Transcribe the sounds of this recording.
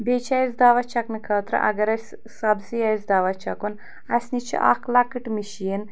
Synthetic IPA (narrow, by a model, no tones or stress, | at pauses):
bet͡ʃʰaizd̪aːʋɐt͡ʃʰɐknɨkʰɐːt̪ɾɨ̰ʔɐ̰ɡɐɾɐsʲ | sɐbzijazd̪aːʋɐt͡ʃʰɐkun | ɐsʲnit͡ʃʰḭʔa̰kʰlakɨʈmiʃiin